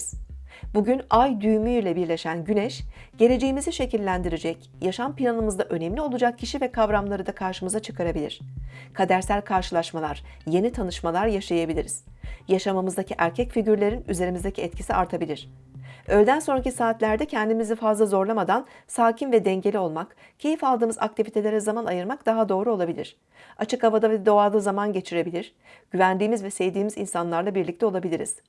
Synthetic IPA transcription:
z̥buɟynajd̪yjmyjlʲɛbiɾlʲe̞ʃænɟynɛʃɟ̥e̞lʲe̞d͡ʒe̞jimiziʃe̞cilʲːænd̪iɾed͡ʒɛc | jaʃampilʲanɯmɯzd̪aʔø̞nɛmlʲio̞lˠud͡ʒak̚cʰːiʃivɛkʰavɾamlˠaɾɯd̪akʰaɾʃɯmɯzat͡ʃʰɯ̥kʰaɾabilʲḭɾ̥kʰad̪æɾsælʲkʰaɾʃɯlˠaʃmalˠaɾ̥ | je̞nit̪ʰanɯʃmalˠaɾjaʃajabilʲiɾiz̥jaʃamamɯzd̪acʰiʔæɾcʰɛcfiɟyɾlʲe̞ɾinyze̞ɾimizd̪ecʰiɛt̪̚cʰisiʔaɾt̪ʰabilʲiɾ̝̥ | øjlʲd̪ænso̞nɾacisaːt̪lʲæɾd̪ɛcʰɛnd̪imizɛfazlˠazo̞ɾlˠamad̪ansaːcʰimvɛd̪ɛɲɟe̞lʲio̞lˠmak | cʰe̞jifalˠd̪ɯːmɯza̰k̚t̪ʰivʲit̪ʰe̞lʲe̞ɾɛzamanajɯɾmakd̪̥aɦad̪o̞ːɾuo̞lˠabilʲḭɾ̝̥ | at͡ʃʰɯkavad̪avɛd̪o̞aːlˠɯzamanɟe̞t͡ʃʰiɾe̞bilʲiɾ̥ | ɟ̥yvænd̪iːmizvɛsɛjd̪iːmizinsanlˠaɾlˠabiɾlʲic̚t̪ɛo̞lˠabilʲiɾḭz̥

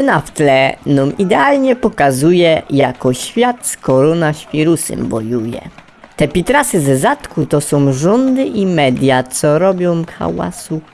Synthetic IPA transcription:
naft̪lɛnɔmid̪ɛalɲɛpɔkazujɛjakɔɕfʲjat̪skɔɾɔnaɕfʲiɾusɛ̰mbɔjujɛ̰ | t̪ɛpʲit̪ɾasɘzɛzat̪kut̪ɔsɔ̃w̃ʐɔnd̪ɘʔimɛd̪ʲjat̪sɔɾɔbʲjɔ̃w̃xa̰wa̰su

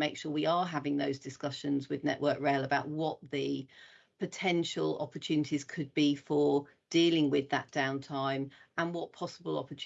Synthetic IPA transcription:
meɪkʃɔːwiəɦavɪ̃ŋðəʊzdɪskʌʃə̃nzwɪðnɛ̰ʔwʔɜˑkɹeɪləbaʊʔ̚wɒʔðə | pʰətʰɛ̃nʃəlɒ̰pət͡ʃʰʉːnɪtʰiz̥kʰəd̚bifə | d̥iːlɪ̃ŋwɪðə̰ʔd̥ãʊ̃ntʰãɪ̃mə̃nwɒʔpʰɒsəbəlˠɒ̰pət͡ʃʰ

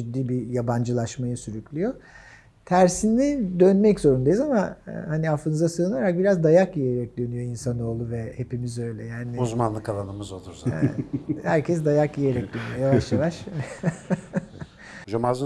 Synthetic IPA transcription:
d͡ʒyd̪ːiːbijaband͡ʒɯlˠaʃmajɯsyɾyclʲyjo̞ | t̪ʰæɾsinid̪ønmɛczo̞ɾund̪ajizamahaniafɯnɯzasɯːɯnaɾak̚biɾazd̪ajakije̞ɾɛc̚d̪ø̞nyjo̞insano̞ːlˠuvɛhe̞pimizø̞jlʲɛjaːniuzmanlˠɯkalˠanɯmɯzo̞lˠuɾzɛ̰hæɾcʰɛs̬d̪ajakjijeɾɛc̚d̪ø̞nyjo̞javaʃjavaʃ | d͡ʒamazɯ

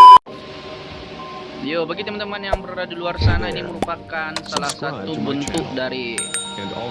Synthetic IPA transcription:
jobaɡit̪əmənt̪əmanjaŋbəɾɾadiluarsanainiməɾupakansalahsat̪ubənt̪ʊk̚daɾi

